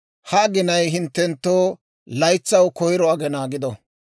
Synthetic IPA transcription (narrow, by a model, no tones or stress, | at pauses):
hɐːɡɪnɐjɦɪnt̪ːɛnt̪ːoː | lɐjt͡sːɐwkɔjɪɾɔɐɡɛnaːɡɪd̪ɔ